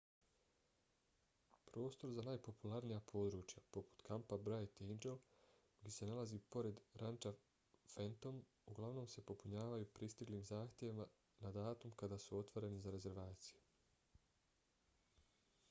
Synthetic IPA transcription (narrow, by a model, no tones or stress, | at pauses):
pɾo̞ːst̪o̞ɾzanaːjpo̞pulˠaɾnijapʰo̞ːd̪ɾuːt͡ʃjapo̞pu̥t̪kʰampabɾajt̪ind͡ʒel | ɡd̪ʲese̞nalˠaziːpo̞ɾe̞d̪ɾʔant͡ʃa | fent̪o̞m | uɡlˠaʋno̞ːmse̞po̞puɲaːʋajupɾist̪iɡliːmzaːxt̪ʲje̞ʋima | nad̪aːt̪umkad̪aːsuo̞t̪ʋo̞ɾe̞nizaɾe̞ze̞ɾʋaːt̪si̥ju